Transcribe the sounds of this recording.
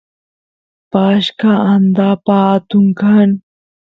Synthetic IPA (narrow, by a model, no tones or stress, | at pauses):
paːɕkaand̪apat̪uŋkʰan